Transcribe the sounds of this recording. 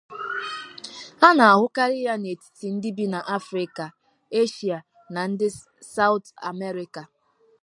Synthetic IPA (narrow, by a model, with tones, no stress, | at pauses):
a˦na˨a˨ɦʊ˦ka˦ɾɪ˦ja˦ne˨ti̥˨ti˨n̩˦dɪ˦bi˦na˨ʔa˦fɾɪ˨ka˨ | e˦ʃi˨a˨ | na˨n̩˦dɪ˦ | sa˦ʊ˦ta˨me˦ɾɪ˦ka˨